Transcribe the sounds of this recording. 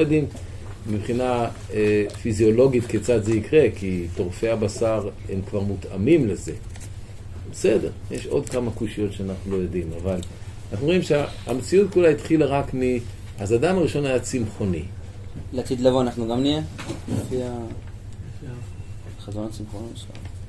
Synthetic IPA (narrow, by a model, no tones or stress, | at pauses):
lojodim | mibχina | efizio̞lo̞ɡit̪ket͡sat̪zeikʁe̞kit̪o̞ʁfe̞abasaʁemkvaʁmut̪amimleze̞ | besede̞ʁjeʃo̞̰d̪kamakuʃijo̞tʃeanaχnulo̞jo̞dimavalnaχnu̞imʃe | a̰met͡siutkulait̪χilaʁakmi | hazadamaʁiʃo̞najat͡simχo̞nḭ | lat̪id̪lavoanaχnuɡamnijelafia | fia | χazonat͡simχonʃa